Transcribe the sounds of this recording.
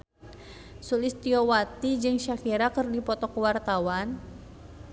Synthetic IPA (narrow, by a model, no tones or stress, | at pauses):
sulɪst̪iɔwat̪id͡ʒɨŋʃakiɾakərdipɔt̪ɔkəwart̪awan